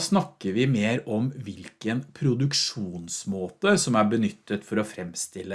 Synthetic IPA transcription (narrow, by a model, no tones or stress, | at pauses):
snɑkːəɾʋɪmeːɾɔmʋɪlkənpʰɾʊd̪ʉkʂuːnsmoːt̪əsɔmæɾbənʏt̪ːət̪fɔɾɔfɾɛmst̪ɪlːə